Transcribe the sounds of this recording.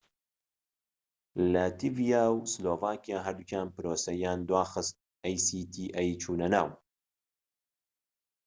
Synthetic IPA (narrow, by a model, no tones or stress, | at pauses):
lat̪ivijaːwsloːvaːkijaːɦɐɾd̪ut͡ʃʰaːnpɨɾoːsɐjaːnd̪waːxɨst̪̚ | ɛjsiːt̪ʰiːʔɛjt͡ʃʰuːnɐna̰ːw